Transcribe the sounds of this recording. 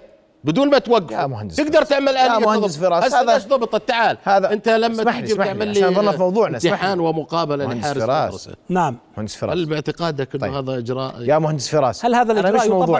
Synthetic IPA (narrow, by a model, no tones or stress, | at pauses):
bɪd̪uːnmat̪waɡːɪfmʊhand̪ɪst̪ɪɡd̪ɑɾˤt̪ɪʕmalʔalhasfɾˤɑːaʃaðʃðˤɑbɨt̪ˤɪt̪ːaʕaːlhaːðaɪnt̪alamːaaiɪʕmalːiðɑnːɑmɑwðˤuːʕnat̪ːɪħaːnwamʊqɑːbalalɪħaːɾɪsɾɾˤsa̰naʕmmhand̪ɪsfɾ̰halːbɪʕt̪ɪqɑːd̪akɪːhaːðaʔɪd͡ʒɾˤɑ̰ːʔjamʊhand̪ɪsfɪɾˤɑ̰ːshalhaːðalʔɪmwðˤuː